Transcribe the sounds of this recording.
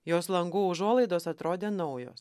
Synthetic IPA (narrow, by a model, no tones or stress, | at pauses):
joːslˠɐŋɡuːʊʒuɔlˠɐɪd̪oːsɐt̪ɾoːd̪ʲeːnɐʊjo̰ːs